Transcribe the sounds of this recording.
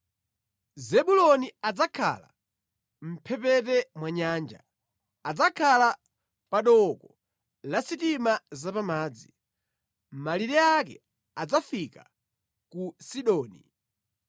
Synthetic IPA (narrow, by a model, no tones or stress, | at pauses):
zɛɓulɔniad͡zakʰa̰la̰ | m̩pʰɛpɛtɛmwaɲaːnd͡ʒa̰ː | d͡zakʰala | paɗɔkɔ | lasitimazapamaːd͡zi | maliɾɛakɛ̰ | ad͡zafika | kusiɗɔːni